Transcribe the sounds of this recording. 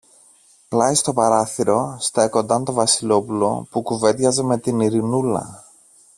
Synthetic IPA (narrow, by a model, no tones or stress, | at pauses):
plɐist̪o̞pɐɾɐθiɾo̞st̪ɐeko̞nd̪ɐnt̪o̞vɐsilo̞pulo̞̰pukuve̞d̪ʝɐzeme̞t̪iniɾinulɐ̰